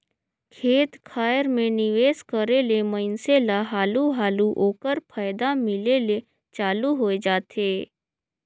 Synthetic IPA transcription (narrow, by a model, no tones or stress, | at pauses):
kʰeːt̪kʰaːjəɾmẽnɪʋeːskəɾeːleməɪnselaɦaːluɦaːluʔoːkəɾpʰaːjd̪amɪleːle | t͡ʃaːluɦoed͡ʒaːt̪eː